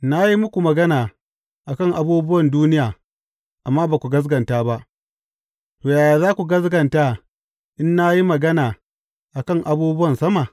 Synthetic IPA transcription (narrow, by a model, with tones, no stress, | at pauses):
na˦ji˦mʊ˦kʷu˨mɐ˨ɡɐ˦naː˨ | ʔa˨kɐ˦ŋʔa˦buː˦bʊ˦wɐ˨nduː˦nɪ˦jaː˨ | ʔa˨mːaː˦baː˨kʷu˨ɡɐ˦s̬ɡɐ˨ntaː˦ba˦ʔ | toː˨jaː˨jaː˨zaː˦kʷu˨ɡɐ˦sɡɐ˨ntaː˦ | ʔɪ˦nːa˦ji˦mɐ˨ɡɐ˦naː˨ | ʔa˨kɐ˦˨ŋʔa˨buː˦bʊ˦wɐ˨nsɐ˦ma˨